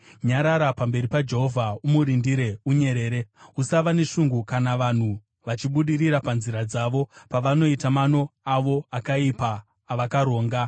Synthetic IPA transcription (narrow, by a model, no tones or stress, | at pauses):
ɲaɾaɾapambe̞ɾipad͡ʒe̞ɦo̞vʱaumuɾindiɾe̞uɲe̞ɾe̞ːɾe̞usaʋane̞ʂuŋɡukanaʋan̤u | ʋat͡ʃiɓuɗiɾiɾapanziɾad͡zaʋo̞paʋano̞itamano̞aʋo̞akaipaː | ʋakaɾo̞ːŋɡa